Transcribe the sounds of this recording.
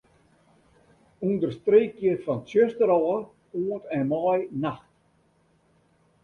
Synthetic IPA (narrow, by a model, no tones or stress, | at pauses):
undərstreːkjəfɔnsjøstəɾɔː | oətɛmɔjnaxt